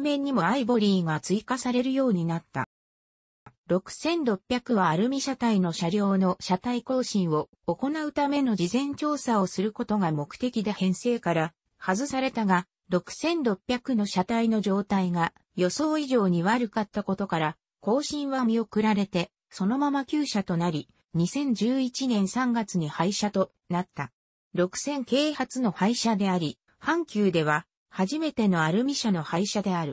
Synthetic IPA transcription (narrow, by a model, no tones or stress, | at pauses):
mẽ̞ɲ̟ːimo̞aibo̞ɾʲiːɡat͡sɨikasaɾe̞ɾɯ̟jo̞ːɲ̟inat̪ːa̰ | ɾo̞kɯ̟̥sẽ̞nɾo̞pʲːjakɯ̟βaːɾɯ̟mʲiɕat̪aino̞ɕaɾʲjo̞ːno̞ɕat̪aiko̞ːɕĩɰ̃o̞ː | ko̞naɯ̟t̪ame̞no̞ʑizẽ̞ɲ̟t͡ɕo̞ːsaosɨɾɯ̟ko̞t̪o̞ɡamo̞kɯ̟̥t̪e̞kʲid̪e̞hẽ̞ɰ̃se̞ːkaɾa | hazɨsaɾe̞t̪aɡa | ɾo̞kɯ̟̥sẽ̞nɾo̞pʲːjakɯ̟no̞ɕat̪aino̞ʑo̞ːt̪aiŋa | jo̞so̞ːiʑo̞ːɲ̟iβaɾɯ̟kat̪ːako̞t̪o̞kaɾa | ko̞ːɕĩɰ̃βamʲio̞kɯ̟ɾaɾe̞t̪e̞ | so̞no̞mamakʲɨːɕat̪o̞naɾʲi | ɲ̟isẽ̞ɲ̟d͡ʑɨːit͡ɕinẽ̞ɰ̃sãŋɡat͡sɨɲ̟ihaiɕat̪o̞ | nat̪ːa | ɾo̞kɯ̟̥sẽ̞ŋke̞ːhat͡sɨno̞haiɕad̪e̞aɾʲi | hãŋkʲɨːd̪e̞β̞a | haʑime̞t̪e̞no̞aɾɯ̟mʲiɕano̞haiɕad̪e̞aɾɯ̟